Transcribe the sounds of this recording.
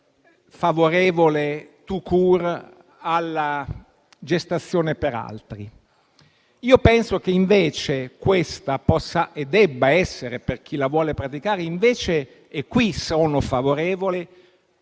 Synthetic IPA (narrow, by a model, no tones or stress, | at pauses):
favoɾeːvolet̪ukʰuːr | alːa | d͡ʒest̪at̪sːjoːnepeɾa̰lt̪ɾi | iːopɛnsok̟eiɱveːt͡ʃekwest̪apɔsːaʔed̪ːɛbːaɛsːeɾeperk̟ʰilavwɔːlepɾat̪ikaːɾeiɱveːt͡ʃeː | kːwisoːnofavoɾeːvole